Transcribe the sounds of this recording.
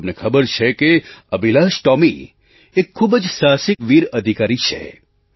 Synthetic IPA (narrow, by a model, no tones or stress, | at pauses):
mnekʰəbəɾt͡ʃʰekeəbilaʃʈɔmi | ekʰːubəd͡ʒsasɪkʋiɾəd̪ʱikaɾit͡ʃʰḛ